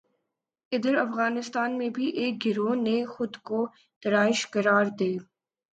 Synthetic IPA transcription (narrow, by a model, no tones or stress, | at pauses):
ɪd̪əɾɐfɣaːnɪst̪aːnmẽbʱiʔeːk̚ɡɪɾoːnexʊd̪ko | t̪ɐɾaːɪʃkɐɾaːɾd̪eː